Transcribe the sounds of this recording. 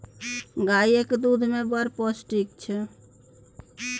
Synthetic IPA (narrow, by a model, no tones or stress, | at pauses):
ɡaiekd̪ud̪ʱmebəɾpɔsʈikt͡ʃʰɛ